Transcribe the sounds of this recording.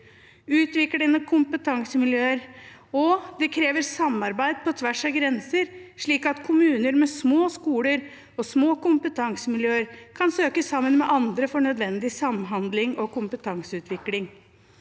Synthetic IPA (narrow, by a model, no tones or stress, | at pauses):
ʉːt̪ʋɪklɪnɔkʰʊmpət̪ʰɑŋsəmɪljøːəɾ | ɔd̪ɛkʰɾeːʋəɾsɑmːɑɾbæɪd̪̚pʰɔt̪ʰʋæʂɑɡɾɛnsəɾʂɭiːkɑt̪kʰʊmʉːnəɾmɛsmoːskuːləɾ | ɔsmoːkʊmpət̪ʰɑŋsəmɪljøːəɾkʰɑnsøːkəsɑmːənmɛʔɑnd̪ɾəfɔɳœd̪ʋɛnd̪ɪsɑmɦɑnd̪lɪŋɔkʊmpət̪ʰɑŋsəʉːt̪ʰʋɪklɪŋ